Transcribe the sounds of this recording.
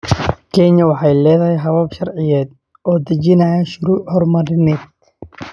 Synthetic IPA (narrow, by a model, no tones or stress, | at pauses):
kʰɛɲɐwɑħɑjlɛːðɐɦɛjɦɐβɐbʃɐrʕɪjɛːd̪̚ | ɔːd̪ɐt͡ʃɪnɐjaʃʊɾuːʔhɔrmɐɾɪnɛːd̪̚